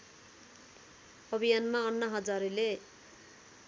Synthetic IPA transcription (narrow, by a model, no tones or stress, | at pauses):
ʌbʱijanmaʌnːʌɦʌd͡zaɾele